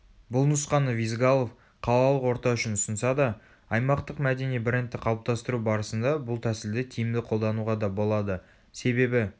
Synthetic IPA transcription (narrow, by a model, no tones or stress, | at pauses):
bʊlˠnʊsqɑnəvijzɡɑlˠo̞f | qʰɑlˠɑlˠəqwo̞ɾt̪ɑʏʃɪnʊsənsɑd̪ɑ | ɑjmɑqt̪əqmæd̪e̞nibɪɾent̪ːɪqʰɑlˠp̚t̪ɑst̪əɾubɑɾəsənd̪ɑbʊlˠt̪ʰæsɪld̪ɪt̪ʲʰijɪmd̪ɪqʰolˠd̪ɑnuʁɑd̪ɑbo̞lˠɑd̪ə | se̞be̞bɪ